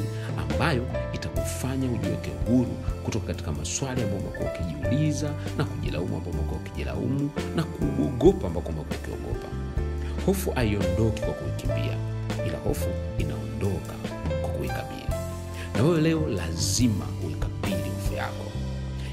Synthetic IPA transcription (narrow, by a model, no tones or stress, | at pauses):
a̰mbajɔitakufaɲauʄiwɛ̰kɛuhuɾṵkutɔkakati̥kamaswaliambaɔmakua̰ukiʄiulizanakuʄila̰umua̰mbamakɔukiʄila̰ṵmunakuɓɔɠɔpaːmbakɔmakɔukiɔ̰ɠɔ̰pa | hɔfuʔaiɔndɔki̥kwakuikimbḭa̰ | ila̰hɔfuina̰ɔndɔkakwakuikaɓḭli | nawɛjɛlɛɔlazima̰uikaɓilihɔfuja̰kɔ